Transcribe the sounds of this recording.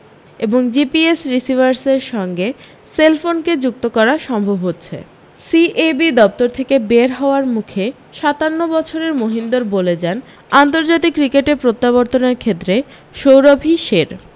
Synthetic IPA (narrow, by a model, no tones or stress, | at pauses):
eboŋd͡ʑipiesɾisibaɾseɾʃɔŋɡe | selfonked͡ʑuk̚t̪okɔɾaʃɔmbʱobɦotːɕʰḛ | siʔebid̪ɔp̚t̪oɾt̪ʰekebeɾɦɔoaɾmukʰe | ʃat̪anːobɔt͡ɕʰoɾeɾmoɦind̪oɾboled͡ʑan | ant̪oɾd͡ʑat̪̬ikːɾikeʈeɾpɾot̪ːaβoɾt̪oneɾkʰet̪ːɾe | ʃowɾobʱiʃeɾ